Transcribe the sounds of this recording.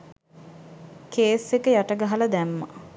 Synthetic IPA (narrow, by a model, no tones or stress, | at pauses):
keːsekəjaʈəɡaɦɐləd̪æmːə̰